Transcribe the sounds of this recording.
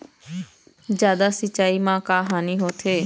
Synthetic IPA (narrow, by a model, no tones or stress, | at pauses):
d͡ʒjaːd̪aːsət͡ʃːaːiːmãːkaːɦaːniːɦoːt̪ʰeː